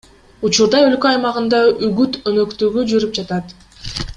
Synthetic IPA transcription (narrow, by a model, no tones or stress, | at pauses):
ut͡ʃuɾd̪ɑø̞lkøɑjmɑʁɯnd̪ɑyɡyt̪ønø̞kt̪yɡyd͡ʒyɾyp̚d͡ʒɑt̪ɑt̪